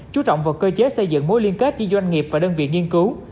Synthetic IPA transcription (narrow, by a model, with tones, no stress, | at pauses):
t͡ɕu˨˦t͡ɕɔ̰˧˨wŋ͡mvaː˨˩wkəː˧t͡ɕe˨˦˥sə˧jzɨ̰˧˨ŋmo̰˨˦jli˧ənke˦˥t̚t͡ɕi˧zwa˧jŋ̟ŋi˨˩p̚vaː˨˩ɗəː˧nvḭ˧˨əŋi˧ənkɨ˨˦w